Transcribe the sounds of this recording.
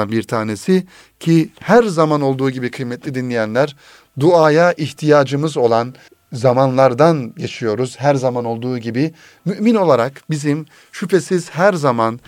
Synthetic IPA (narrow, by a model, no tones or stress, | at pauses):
anbiɾt̪ʰaːnesi | cʰihæɾzamano̞lˠd̪uːɟibikʰɯjmɛt̪lʲid̪inlʲijɛnlʲæɾ | d̪uaːjaʔiçt̪ʰijaːd͡ʒɯmɯzo̞lˠan | zamanlˠaɾd̪anɟet͡ʃʰijo̞ɾuz̥ɦæɾzamano̞lˠd̪uːɟibi | myʔmino̞lˠaɾakbizim | ʃypʰesiz̥hæɾzaman